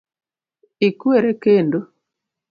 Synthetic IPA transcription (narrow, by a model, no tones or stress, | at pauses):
ikweɾekendo